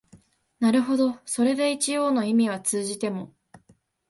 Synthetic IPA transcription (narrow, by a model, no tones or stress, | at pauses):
naɾɯ̟ɦo̞d̪o̞so̞ɾe̞d̪e̞it͡ɕijo̞ːno̞imʲiβ̞at͡sɨːʑit̪e̞mo̞